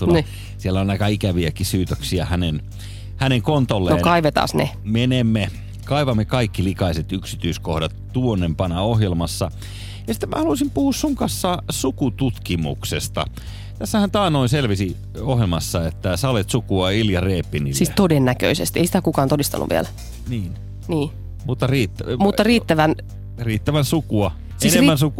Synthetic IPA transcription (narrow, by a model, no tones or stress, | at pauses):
t̪un | sielːonnɑikɑikæʋiækisyːt̪øksiæhænen | hæneŋkont̪olːenoːkɑiʋet̪ɑ̰ːsnḛmenemːe | kɑiʋɑmːekɑikːilikɑiset̪yksit̪yiskohdɑt̪tuonːempɑnɑohjelmɑsːɑ | jɑsi̥t̪ːemæ̰hɑlusimpuhuːssuŋkɑsːɑsukut̪ut̪kimṵksest̪ɑ̰ | t̪æsːæhænt̪ɑːnoinselʋisi | oɦjelmɑsːɑet̪ːæsɑolet̪sukuɑiljɑreːpːinisiːst̪odenːækø̰isḛst̪ieisi̥t̪ækukɑːnt̪odist̪ɑ̰nːʔṵʋḭæ̰læ | niːn | niː | mut̪ːɑriːt̪ːæmuːɑriːt̪ːæʋæn | riːt̪ːæʋænsukuɑ | siːesneriːænsuku